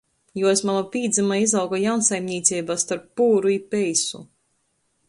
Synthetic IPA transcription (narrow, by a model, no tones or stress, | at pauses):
juɔesmanapʲiːd̪zɛmaizawɡɔjawnsajmɲʲiːt̪siːbast̪aɾpːuːɾuipɛjsṵ